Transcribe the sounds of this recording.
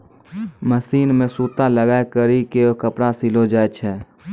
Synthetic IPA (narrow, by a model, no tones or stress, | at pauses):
məsiːnmẽsuːt̪aləɡaːekəɾikeokəpɽasilod͡ʒaːet͡ʃʰɛː